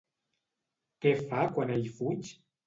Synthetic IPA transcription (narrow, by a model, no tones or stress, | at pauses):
t̪efakwanaifut͡ʃi̥